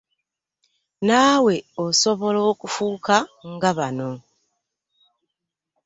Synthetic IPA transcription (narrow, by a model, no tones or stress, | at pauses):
naːwe̞oso̞βo̞lo̞ːkufuːkaŋɡaβano̞